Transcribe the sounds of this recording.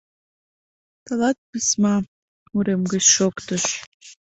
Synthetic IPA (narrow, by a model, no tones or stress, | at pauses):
t̪əlɑt̪̚pɨsmɑ | muɾemɡət͡ɕʃokt̪əʃ